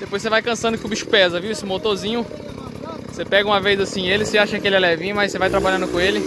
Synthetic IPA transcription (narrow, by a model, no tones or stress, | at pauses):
d̪epojsevajkɐ̃sɐ̃nd̪ʊkõʊbiʃʊ̥pɛzɐviwesʊmot̪oɾzĩɲʊ | sepɛɡɐũmɐvejzasĩelɪseaʃɐkɪelɪɛlɛvĩɲmajsevajt̪ɾabaʎɐ̃nd̪ʊkõelɪ